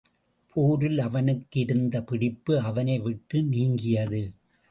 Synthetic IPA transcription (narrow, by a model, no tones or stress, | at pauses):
pʰoːɾɪlɐʋɐnɯkːɪɾɯnd̪ɐpɪɽɪpːɯɐʋɐnɐɪʋɪʈːɯniːŋɡɪjɐðɯ